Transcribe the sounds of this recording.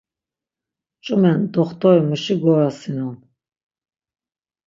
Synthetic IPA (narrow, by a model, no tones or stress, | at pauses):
t͡ʃʼumɛnd̪ɔχt̪ʰɔɾimuʃiɡɔɾasinan